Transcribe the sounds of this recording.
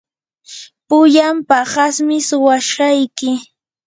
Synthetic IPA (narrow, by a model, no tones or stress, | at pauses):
pʊjampahasmɪsʊwaʃɢɑjkɪ